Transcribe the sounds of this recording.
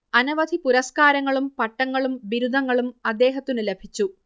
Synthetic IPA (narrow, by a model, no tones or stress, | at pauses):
ɐnɐʋɐd̪ʱipuɾɐskaːɾɐŋːɐɭumpɐʈːɐŋːɐɭumʋiɾud̪ʱɐŋːɐɭumɐd̪ːe̞ːɦɐt̪ːinɨlebʱit͡ɕːu